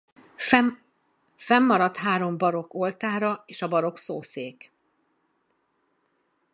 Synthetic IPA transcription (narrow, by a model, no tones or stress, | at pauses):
fɛmːɒɾɒt̪ɦaːɾo̞mbɒɾo̞ko̞lt̪aːɾɒeːʃɒbɒɾo̞ksoːseːk